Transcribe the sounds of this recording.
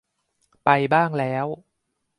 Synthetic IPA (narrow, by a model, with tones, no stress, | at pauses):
pa˧jbaː˥˩ŋlɛː˦˥w